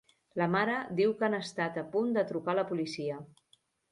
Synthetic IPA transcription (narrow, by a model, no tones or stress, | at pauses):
ləmaɾəd̪iwkanəst̪at̪əpund̪ət̪ɾukaləpulisiə